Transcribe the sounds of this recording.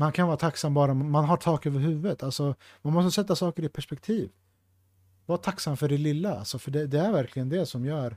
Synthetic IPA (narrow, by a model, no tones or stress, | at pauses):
mankʰanvɑːɾat̪ʰaksamːbɑːɾammanɦaʈʰɑːkøːvəɾhʉ̟ːvət̪ʰalsɔ | manmɔst̪əsɛt̪ːasɑːkəɾɪt̪̚pʰæʂpɛk̚t̪ʰiːv | vɑːɾt̪ʰaksamfœɖɛlɪlːaa̰lsɔfœɖɛd̪ɛæɾvæɾkʰlɪɡənd̪ɛsɔmjœːɾ